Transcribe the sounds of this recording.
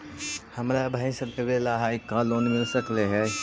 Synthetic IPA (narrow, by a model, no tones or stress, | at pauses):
hɐmɾabʱaːisɐbebelaɦaːikːaloːnmɪlsəkleɦɛː